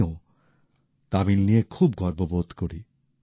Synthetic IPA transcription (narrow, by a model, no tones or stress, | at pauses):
o | t̪abinnijekʰubɡʱɔɾbobod̪ʱkoɾi